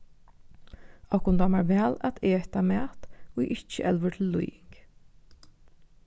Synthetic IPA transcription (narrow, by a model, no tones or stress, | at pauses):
ɔkʊnd̪ɑmæɹʋæːlæ̰t̪eːht̪ɑmæːt̪oːɡʔɪt͡ʃːə̰ʔɛlʋəʈ̪ʰɪl̩ːʊ̰jɪŋk